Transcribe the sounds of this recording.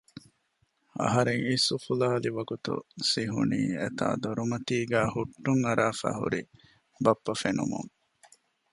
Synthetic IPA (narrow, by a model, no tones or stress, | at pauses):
ɐ̰ɦɐɾeŋisufulaːliʋɐɡut̪ṵsiɦṵniːḛt̪a̰ːd̪oɾumɐt̪iːɡæːhuʈːuŋɐɾaːfæ̰ːhṵɾi | bɐpːɐfenṵmṵŋ